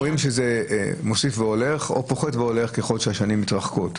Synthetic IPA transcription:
ʁimʃezemosifveo̞le̞χo̞̰po̞χetveo̞le̞χkeχo̞lʃeaʃanimitʁaχkot

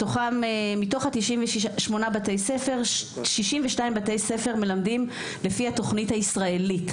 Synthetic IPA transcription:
toχamemito̞χhat̪iʃimveʃʃmo̞nabatejsefe̞ʁʃiʃimveʃnaimbate̞jse̞fe̞ʁme̞lamdim | le̞fihato̞χnithaisʁae̞lit

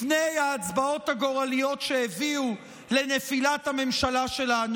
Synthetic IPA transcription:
fnejaːt͡sbao̞taɡo̞ʁalijo̞tʃeeviu | le̞nefilathame̞mʃalaʃe̞lan

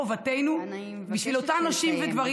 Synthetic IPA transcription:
ovatejnu | biʃvilotanaʃimvedvaʁ

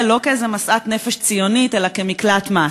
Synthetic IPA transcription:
lo̞keezemasʔat̪ne̞feʃt͡sijo̞nite̞lakemiklat̪ma

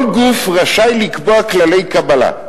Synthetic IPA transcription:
lɡufʁaʃajlikboaklale̞jkabala̰

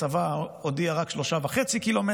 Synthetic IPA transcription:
avaodiaʁakʃlo̞ʃavaχet͡sikilo̞me

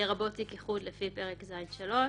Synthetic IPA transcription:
eʁabotikiχud̪lefipeʁekzajnʃalo̞

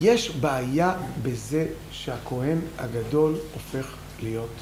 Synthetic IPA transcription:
jeʃbaajabe̞ze | ʃehakʰo̞henha̰ɡado̞lofe̞χ | lijo̞t

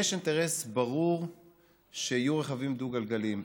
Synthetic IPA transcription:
eʃint̪eʁesbaʁuʁ | ʃeajuʁe̞χavimd̪uɡalɡalim

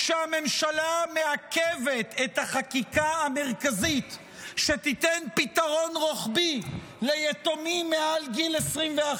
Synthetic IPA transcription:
ʃeame̞mʃalameakevet̪ʰet̪haχakikaame̞ʁkazit̪ | ʃet̪it̪enpit̪aʁo̞nʁoχbi | lejet̪omimːealɡilesʁimvea

